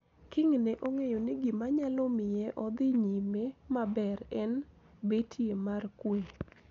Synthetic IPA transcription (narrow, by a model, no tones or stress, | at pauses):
kɪŋneʔoŋejonɪɡɪmaɲalɔmɪjɛʔɔd̪ɪɲimemabɛɾɛn | betʰjemarkwe